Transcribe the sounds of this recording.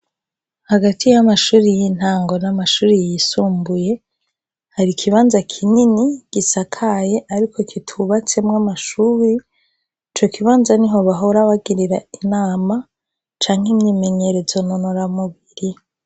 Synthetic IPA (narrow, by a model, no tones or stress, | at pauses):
haɡatʰijamaʃuːɾijin̥haːŋɡo̞namaʃuːɾijisuːmbuje̞ | haɾikʰiβaːnzakʰininiɡ̥isakʰaje̞ʔaɾikʰo̞kʰitʰuβat͡se̞mŋamaʃuːɾi | it͡ʃo̞kiβaːnzaniɦo̞βaɦoɾaβaɡiɾiɾainaːma | t͡ʃaːŋhimɲiːme̞ɲe̞ɾe̞zo̞nonoɾamuβiɾi